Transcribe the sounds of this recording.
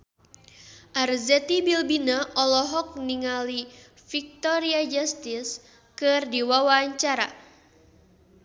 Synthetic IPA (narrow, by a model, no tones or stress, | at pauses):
ʔarzɛt̪ibilbinaʔɔlɔɦɔk̚niŋali | fik̚t̪ɔɾiad͡ʒast̪ɪs | kɨrdiwawaɲt͡ʃaɾa